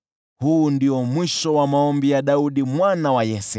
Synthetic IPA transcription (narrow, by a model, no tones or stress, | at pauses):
huːndiɔmwiʃɔwamaɔmbijaɗauɗimwanawajɛsɛ